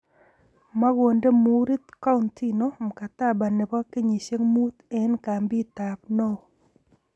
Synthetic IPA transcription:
ma˦ɣo˨nde˦mu˨ɾi˦t̪ka˦ʊ˦ntʰi˦no˨˦m˨ka˨t̪a˦˨ba˨ne˨ba˦ke˦ɲi˨ʃe˦ŋmu˦t̪ɛ˨˦nka˨mbi˦t̪a˨pno˦

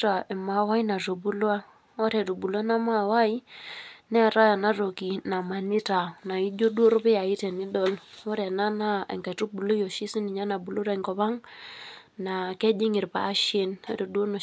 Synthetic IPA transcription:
ta˨e˨ma˨wa˦i˦na˨to˨bu˦lwa˦ | o˦ɾɛ˨to˨bu˨la˦na˦ma˨wa˦i˦nɛ˦˨ɾa˦ja˨na˦ro˨ki˨na˨ma˨nɪ˦ta˨na˨i˦d͡ʒo˦du˦o˦ɾo˦pe˦ja˨i˦tɛ˨ni˦dɔ˦˨lo˦ɾɛ˨na˦na˦ḛ˨ŋka˨tu˦bu˨lo˦jo˨ʃi˦si˦ni˨ɲa˦na˨bu˨lo˦ɾa˦˨ŋkɔ˨ba˦ŋ | na˨kɛ˦d͡ʒi˦ŋɪ˨ɾpa̰ː˨˦ʃe˦n˦ɾo˨dwo˦no˨

